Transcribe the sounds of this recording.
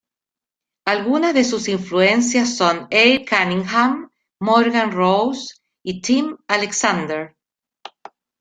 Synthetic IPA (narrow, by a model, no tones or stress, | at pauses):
alɣunazðesusiɱfluens̬jasːonejkanĩŋxamː | oɾɣanrows | it̪imaleksand̪eɾ